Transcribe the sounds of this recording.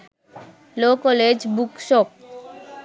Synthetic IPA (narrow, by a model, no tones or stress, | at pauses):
lokoled͡ʑbukʃok̚